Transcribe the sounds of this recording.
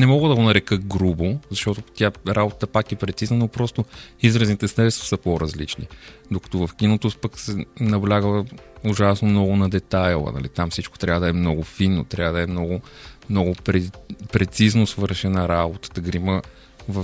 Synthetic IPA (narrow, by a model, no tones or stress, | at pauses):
nɛmɔɡəd̪ɐɡonɐɾɛkəɡɾubozɐʃt̪ɔt̪ot̪ʲjaɾabot̪ə̥t̪əpakɛpɾɛt̪siznənopɾɔst̪ʊizɾəznit̪ɛsɾɛbɛst̪vɐ̥səpoɾɐzlit͡ʃnḭd̪okɐ̥t̪ovɐfkinot̪ospəksɛnɐblʲaɡʊʒasnomnɔɡʊnɐd̪ɛt̪ajlˠə̰nɐ̰lḭt̪amfsit͡ʃko̥t̪ɾʲavəd̪ɐɛmnɔɡʊfinːo̰t̪ɾʲjavəd̪ɐɛmnɔɡʊ | mnɔɡʊɾɛpɾɛt̪siznosvɤɾʃɛnaɾabot̪ə̥t̪əɡɾimə | vɐ